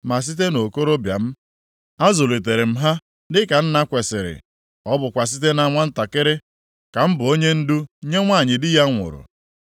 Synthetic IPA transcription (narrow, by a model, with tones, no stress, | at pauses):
ma˨s̬i˦t̬e˦no˨ko˦ɾo˦bja̰˨m̩˦ | a˦zo˨le˨t̬e˨ɾɪ˨m̩˦ɦa˦ | dɪ˦ka˨n̩˦na˦kʷe˨sɪ˨ɾɪ̰˨ | ɔ˦bʊ˨kʷa˨s̬i˦t̬e˦na˨˦ŋʷa˦n̩˦ta˨kɪ˦ɾɪ˦ | ka˨m̩˦bʊ˨o˦ɲe˦n̩˦du˦ɲe˦ŋʷa˦˨ɲɪ˨dɪ˦ja˦ŋʷʊ̰˨ɾʊ̰˨